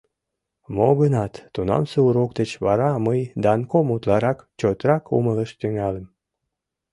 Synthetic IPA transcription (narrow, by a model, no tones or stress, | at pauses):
moɣənɑt̪ːunɑ̰mseuɾokd̪et͡ɕβɑɾɑməjd̪ɑnkomut̪lɑɾɑkt͡ɕot̪ɾɑkṵmələʃt̪yŋɑləm